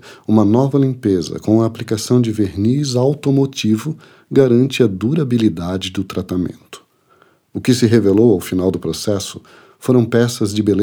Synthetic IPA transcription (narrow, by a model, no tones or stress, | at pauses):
ũmɐnɔvɐlĩpezɐ̰kõw̃ɐːplikasɐ̃w̃d͡ʒɪveɾnizawt̪omot͡ʃivʊ | ɡaɾɐ̃nt͡ʃɪɐd̪uɾabilid̪ad͡ʒɪd̪ʊt̪ɾat̪amḛ̃nt̪ʊ̥ | ʊkɪsɪɦevelowawfinawd̪ʊpɾosɛsʊ̥ | foɾɐ̃w̃pɛsɐzd͡ʒɪbel